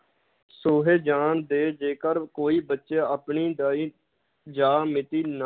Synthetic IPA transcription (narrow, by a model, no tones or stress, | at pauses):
soːɦeːd͡ʒaːnd̪eːd͡ʒeːkəɾkoːiːbətːʃeːəpɳiːd̪aːiː | d͡ʒaːmɪt̪iːn